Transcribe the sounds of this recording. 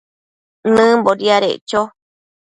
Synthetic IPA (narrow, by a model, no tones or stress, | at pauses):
nɨ̃mboɾiaɾḛʔt͡ʃo